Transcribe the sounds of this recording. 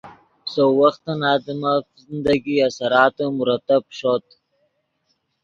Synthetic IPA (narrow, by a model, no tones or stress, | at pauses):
sowaxt̪anɑːd̪imafzɪnd̪aɡiasaɾɑːt̪omʊɾat̪ap̚ʃot̪